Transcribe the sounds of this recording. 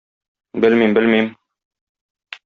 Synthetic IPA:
bɘlmimbɘlmim

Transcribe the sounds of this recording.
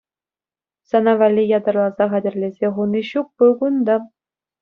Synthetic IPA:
sɑnɑʋɑlʲːijɑd̪ɑ̆rlˠɑzɑχædʲɘ̆rʲlʲezʲeχunʲiɕuk̚puɡund̪ɑ

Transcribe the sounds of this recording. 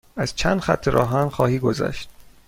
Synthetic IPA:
æz̥t͡ʃʰænd̪xæ̰t̪ʰːeɾʔɒ̰ːɦænxɒːhiːɡozæ̰ʃt̪̚

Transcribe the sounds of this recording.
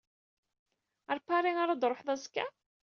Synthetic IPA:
æɾpːaɾiaɾad̪ɾˤoħðæskːa

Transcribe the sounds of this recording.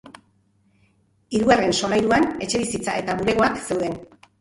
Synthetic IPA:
iɾuare̞nso̞lajɾuane̞t͡ʃe̞βisit͡sa̰e̞t̪aβuɾe̞ɣ̞o̞akse̞wðe̞n

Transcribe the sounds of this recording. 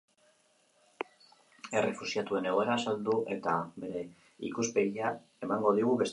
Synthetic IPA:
e̞re̞fusiat̪ue̞ne̞ɣ̞o̞e̞ɾaːsald̪uʔe̞t̪aβe̞ɾe̞ | ḭkuspe̞ɣia | e̞maŋɡo̞ðiɣ̞uβe̞s

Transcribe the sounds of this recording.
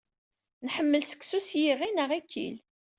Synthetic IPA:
nħəmːəlsə̥ksusjiʁinəʁikːḭl

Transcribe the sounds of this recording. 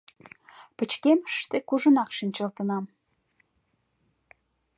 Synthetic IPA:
pə̆t͡ɕkeməʃʃt̪ekuʒə̆nɑkʃənʲt͡ɕəlt̪ənɑm

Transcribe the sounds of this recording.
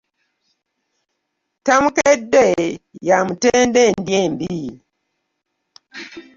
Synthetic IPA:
tamukedejamuteːndendjembi

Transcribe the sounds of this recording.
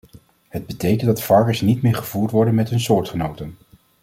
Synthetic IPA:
həd̚bətejkəndɑtfɑɹkəɹsnitmɪːɹχəv̥uːɹtʋɔɹdənmɛtɦɵnsʊːɹtχənowtən

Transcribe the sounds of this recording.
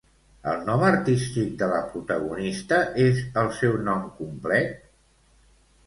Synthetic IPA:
ə̰lˠnɔməɾt̪ist̪ik̚d̪ələpɾut̪əɣunist̪əʔezəlˠsɛwnɔmkumplɛt̪̚

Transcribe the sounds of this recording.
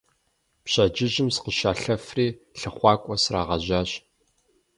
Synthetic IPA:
pɕɐd͡ʒɪʒɪmsqəʃaːɬɐfriːɬɨχʷɑːkʷʼɔsra̰ːʁɐʑaːɕ

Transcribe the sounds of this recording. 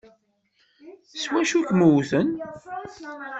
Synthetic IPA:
swæʃukmuwθən

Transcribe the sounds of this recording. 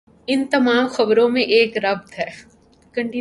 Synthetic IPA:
ɪnt̪ɐmaːmxɐbɾõmẽʔeːkɾɐb̚t̪ɦɛː | kɐ̃ɳʈi

